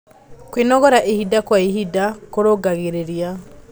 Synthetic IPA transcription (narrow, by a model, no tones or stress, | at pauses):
kwenɔɣɔɾaʔehidakwaeɦidakoɾoɡaɣeɾeɾia